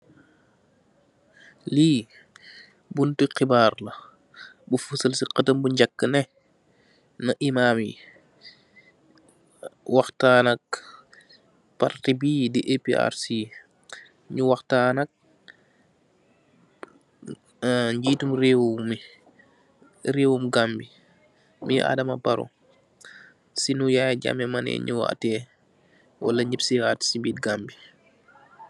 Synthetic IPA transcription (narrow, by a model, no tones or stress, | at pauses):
liː | buntiqibaːrlɐ | bufusəlsiqətəmbuɲɟakːənɛ | nɐʔimaːmi | waxtaːnɐk̚ | partibiːdiʔepiʔa̰ɾsi | ɲuwɐxtaːnɐk̚ | ɲɟiːtumreːwumi | ɾeːwumɡambi | miʔa̰ːdɐmɐbɐɾṵ | sinujaːjɟa̰mɛmɐnɛ̰ɲuwa̰tɛː | wʔɐ̰lɐɲipsiaːti̥sibiːtɡambi